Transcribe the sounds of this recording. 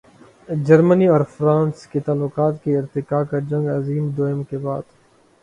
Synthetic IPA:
d͡ʒɐɾməniɔːɾfɾãːnsket̪aːlːʊqaːt̪keɪɾt̪ɪkaːkad͡ʒɐ̃ŋɡɐziːmd̪oːɪmkebaːd̪̥

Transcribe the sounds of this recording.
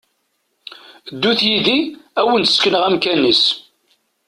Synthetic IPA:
d̪ːuθjiðiæwənt̪skənəʁæmkænːis

